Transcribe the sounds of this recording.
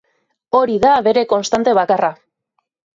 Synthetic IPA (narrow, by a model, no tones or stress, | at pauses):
o̞ɾiðaβe̞ɾe̞ko̞nst̪ant̪e̞βakara